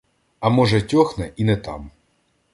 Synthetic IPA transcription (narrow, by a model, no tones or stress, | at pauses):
ɐmɔʒɛtʲɔxnɛʔinɛt̪ɑ̰m